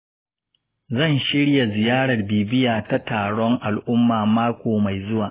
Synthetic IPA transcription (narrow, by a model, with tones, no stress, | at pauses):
zɐ˦˨nʃɪ˦ɽja˨zɪ˨jaː˦ɽɐ˨rbiː˨bɪ˦jaː˨ta˦taː˨ɽɔ˦ŋʔa˨lʔʊ˦mːaː˨maː˦kʷoː˨ma˨jzʊ˦waː˨